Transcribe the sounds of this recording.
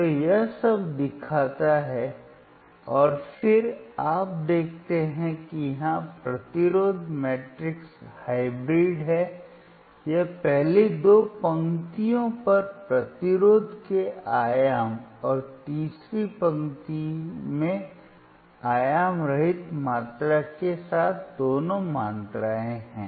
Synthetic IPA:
ojɐɦsɐbd̪ɪkʰaːt̪aɦɛ | ɔːɾfɪɾaːp̚d̪eːkʰt̪eɦɛ̃kijɐɦãpɾɐt̪ɪɾoːd̪ʱmɛːʈɾɪkshaːɪbɾiːɖɦɛ | jepɛɦled̪oːpɐ̃ŋt̪ijõpɐɾpɾɐt̪ɪɾoːd̪ʱkeaːjaːmɔːɾt̪iːsɾipɐ̃ŋt̪imẽ | aːjaːmɾɐɦɪt̪maːt̪ɾakesaːt̪ʰd̪oːnõmãːnt̪ɾaːẽɦɛ̰̃ː

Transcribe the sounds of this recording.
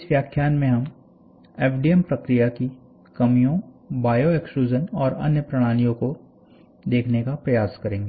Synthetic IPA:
ɪsʋjaːkʰːjaːnmẽɦɐm | eːpʰɖiɛmpɾɐkɾijaki | kɐmijõbaːjoɛkʃuːd͡ʒənɔːɾɐ̰njəpɾɐɽ̃aːnijõko | d̪eːkʰnekapɾɐjaːskɐɾẽːŋɡeː

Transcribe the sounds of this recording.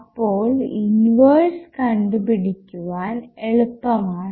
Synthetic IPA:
ɐpːoːɭjunʋɐrskɐɳɖɨpiɽikʲːuʋaːneɭupːɐmaːɳ

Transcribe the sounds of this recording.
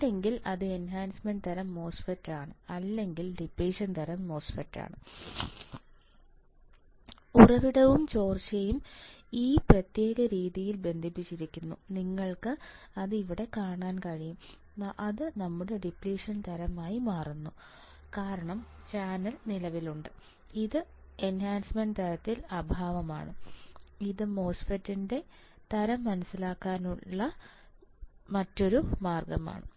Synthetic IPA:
ɖe̞ŋɡilɐðɨe̞nɦaːnsmɐnɖt̪ɐɾɐmːo̞ːsfɐʈːaːɳɨɐlːe̞ŋɡilɖipliːʂɐnt̪ɐɾɐmːo̞ːsfɐtːa̰ːɳɨ | urɐʋiɽɐʋumt͡ɕo̞ːrt͡ɕɐjumiːprɐt̪je̞ːɣɐɾiːðijilbe̞nd̪ʱipːit͡ɕːiɾikʲːunːuniŋːɐɭkɨ | ɐðɨiʋiɽe̞kaːɳaːnkɐɻijum | ʔɐðɨnɐmːuɽe̞ɖipliːʂɐnt̪ɐɾɐmaːjimaːrunːu | kaːɾɐɳɐm | t͡ɕaːnɐlnilɐʋiluɳɖɨ | iðɨ | e̞nhaːnsmɐnɖt̪ɐɾɐt̪ːilɐbʱaːʋɐma̰ːɳɨ̰ | iðɨmo̞ːsfɐtːinde̞ | t̪ɐɾɐmːɐnɐsilaːkːaːnuɭːɐ | mɐtːo̞ɾumaːrɡɐma̰ːɳɨ

